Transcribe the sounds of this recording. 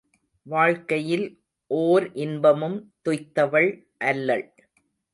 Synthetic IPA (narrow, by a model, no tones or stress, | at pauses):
ʋaːɻkɐjɪl | ʔoːɾʔɪnbɐmɯmt̪ʊjt̪ːɐʋɐɭ | ʔɐlːɐɭ